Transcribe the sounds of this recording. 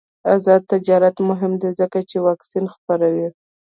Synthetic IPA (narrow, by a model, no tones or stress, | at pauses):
azɑd̪̚t̪ɪd͡ʒɑɾat̪mʊɦɪmd̪ezəkat͡ʃewɑksinxpaɾawi